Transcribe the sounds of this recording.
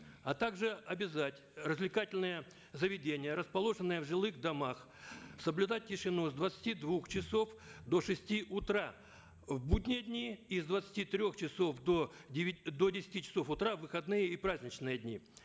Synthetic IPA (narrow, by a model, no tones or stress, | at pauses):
ɐt̪aɡʐɨɐbʲɪzatʲrəzʲvlʲɪkatʲɪlʲnɨjə | zəvʲɪdʲenʲɪjəɾəspɐlˠo̞ʐɨnːɨjəvʐɨlˠɨɣd̪ɐmax | səblʲʉd̪at̚ʲtʲːɪʂɨnuzd̪vət̪sə̥tʲid̪vuxt͡ɕɪso̞fd̪oʂɨsʲtʲiʔʊt̪ɾa | vbudʲnʲɪjədʲnʲiizd̪vət̪sə̥tʲit̪ɾʲoxt͡ɕɪso̞fd̪o | d̪odʲɪsʲɪ̥tʲit͡ɕɪ̥so̞fʊt̪ɾavːɨxɐd̪nɨjəipɾazʲnʲɪt͡ɕnɨjədʲnʲḭ